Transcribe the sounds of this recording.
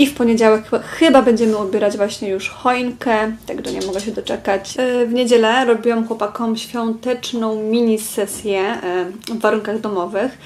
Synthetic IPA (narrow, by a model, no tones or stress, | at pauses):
ifpɔɲed͡ʑawɛkxɘbabɛɲd͡ʑɛmɘɔbʲjɛɾad͡ʑvwaɕɲɛjuʂxɔjŋkɛt̪ɛ̰ɡd̪ɔ̰ɲɛ̰mɔɡɛɕɛd̪ɔt͡ʂɛkat͡ɕvɲed͡ʑɛlɛɾɔbʲiwamxwɔpakɔmɕfʲjɔ̃nt̪ɛt͡ʂnɔ̃w̃mʲiɲisɛsʲjɛ | vːaɾuŋkaɣd̪ɔmɔvɘx